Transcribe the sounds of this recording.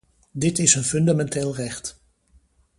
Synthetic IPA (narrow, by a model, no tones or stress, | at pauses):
dɪtɪsənfɵndamɛnteːlˠrɛχt